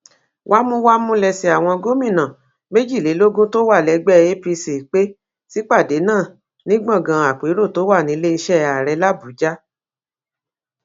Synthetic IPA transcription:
wʔa˦mũ˦wa˦mũ˦lɛ˧si˧a˨w̃ɔ̃˧ɡo˦mĩ˦˨nã˨ | me˦d͡ʒi˦˨le˨˦lo˦ɡõ˦to˦wa˦˨lɛ˨˧ɡ͡bɛ˦e˦pi˧si˨k͡pe˦ | si˦k͡pa˦˨de˨˦nãː˦˨ | nĩ˦ɡ͡bã˦˨ɡã˨˧a˨k͡pe˨˦ɾo˦˨to˨˦wa˦˨nĩ˨˦le˦i˧ʃɛ˦a˨ɾɛ˨˧˦la˦bu˨˦d͡ʒa˦

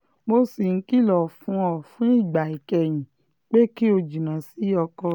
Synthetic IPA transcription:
mo˦si˨ŋ̩˦ki˦˨lɔ˨fũ˨˦ɔ˨fũ˦i˦˨ɡ͡ba˨i˨kɛ˨j̃ĩ˨ | k͡pe˦ki˦o˧d͡ʒi˨nã˨si˦ɔ˧kɔ˧

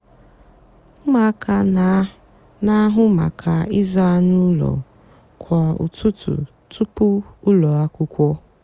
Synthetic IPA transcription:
ma˨ka˨ | na˦ɦʊ˦ma̰˨kʰa˨i˦za˦a˦˨nu˦lɔ̰˨ | kʷʰa˨ṵ˨tʊ˦tṵ˨ | tu˦pʊ˦ʊ˦lɔ˨a˦kʊ˦kʷɔ˦

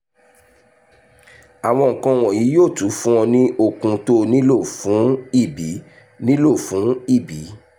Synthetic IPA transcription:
a˨w̃ɔ̃˧ŋ̩˨kã˧w̃ɔ̃˨ji˨˦joː˦˨tu˨˦fũ˦ɔ̃˧nĩ˦o˦˨kũ˧to˦nĩ˦lo˦˨fũ˨˦i˦˨bi˨˦ | nĩ˦lo˦˨fũ˨˦i˦˨bi˨˦

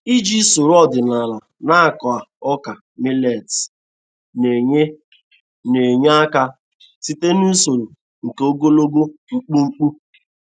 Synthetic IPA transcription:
i˦d͡ʒi˦so˨ɾɔ˦dɪ˨na˨la˨ | na˦a˨kɔ˨a˨ɔ˦ka˨ | mi˦le˨t | ne˨ɲe˦ | ne˨ɲ˦a˦ka˦ | si˦te˦nu˦so˨ɾo˨ | ŋ̩˨ke˨o˦ɡo˦lo˦ɡo˦ŋ͡m̩˦k͡pu˦ŋ͡m̩˦k͡pu˦

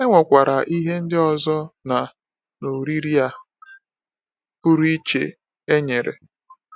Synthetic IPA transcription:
e˦ŋʷɔ˨kʷa˨ɾa˨ʔi˦ɦe˦n̩˦dɪ˦ɔ˨zɔ˦na˨ | no˨ɾi˦ɾi˦a˦ | pʊ˦ɾi˦t͡ʃḛ˨ | e˦ɲe˨ɾḛ˨

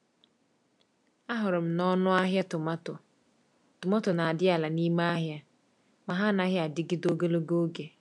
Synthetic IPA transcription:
a˦ɦʊ˨ɾʊ˨m̩˨nɔ˦nʊ˦a˦ɦja˦tʊ˨ma˦tʊ˨ | tʊ˨mɔ˦tʊ˨na˨a˨dɪ˦a˨la˨ni˦ma˦a˦ɦja˦ | ma˨ɦa˦na˦ɦja˦a˨dɪ˦ɡɪ˦do˦ɡo˦lo˦ɡo˦ɡe˨

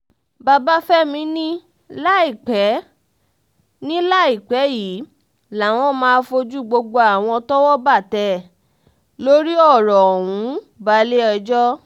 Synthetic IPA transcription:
ba˧ba˦fɛ˦mĩ˧˦nĩ˦ | la˦i˦˨k͡pɛ˨˦ | nĩ˦la˦i˦˨k͡pɛ˨˦ji˨˦ | la˨w̃ɔ̃˦mãː˧˦fo˧d͡ʒu˦ɡ͡bo˧ɡ͡bo˧a˦˨w̃ɔ̃˧tɔ˦wɔ˦ba˦˨tɛ˧˦ | lo˦ɾi˦ɔ˦˨ɾɔ˨wũ˨˦ | ba˨˦le˦ɛ˧d͡ʒɔ˦

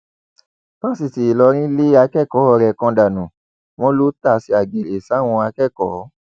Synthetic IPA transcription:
pa˦si˨si˨i˨lɔ˧ɾ̃ĩ˦le˦a˧kɛ˦˨kɔ˨˦ɔ˧ɾɛ˧˨kɔ̃˧da˨nũ˨ | w̃ɔ̃˦lo˦ta˦˨si˨˦a˨ɡe˨ɾe˨sa˨˦˨w̃ɔ̃˧a˧kɛ˦˨kɔ̰˨˦

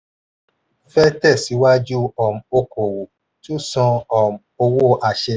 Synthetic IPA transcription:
fɛ˦tɛ˦˨si˨˦wa˦d͡ʒu˦ɔ˨m˨o˧ko˨wo˨ | tu˦sɔ̃˧ɔ˨m˨o˧wo˦ʔa˧ʃɛ˧

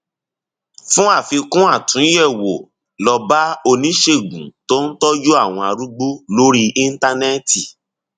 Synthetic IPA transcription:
fũ˦a˦˨fi˧kũ˦a˦˨tũ˨˦jɛ˦˨wo˨ | lɔ˧ba˦o˧nĩ˦ʃe˦˨ɡṵ̃˨to˦n̩˦tɔ˦d͡ʒu˦a˦˨w̃ɔ̃˧a˧ɾu˦ɡ͡bu˦lo˦ɾi˦i˦n̩˦ta˧nɛ˦ti˨

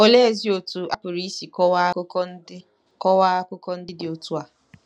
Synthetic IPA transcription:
o˦le˦e˦˨zi˦o˨tu˦ʔa˦pʊ˨ɾi˦si˨kɔ˦wa˦ | kɔ˦wa˦a˦kʊ˦kɔ˦n̩˦dɪ˦dɪ˨o˨tu˦a˨

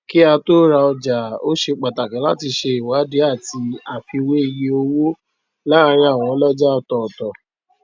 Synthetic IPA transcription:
ki˦a˧to˦ɾa˧ɔ˧d͡ʒa˨o˦ʃe˧k͡pa˨ta˨kɛ̃˨˦la̰˦ti˧ʃe˧i˨wa˨˦de˨˦a˦˨ti˧a˧fi˧we˦i˧je˧o˧wo˦ | la˦˧ɾ̃ĩ˦a˦˨w̃ɔ̃˨˦ɔ˦lɔ˦d͡ʒa˦ɔ˧tɔ˨tɔ˨

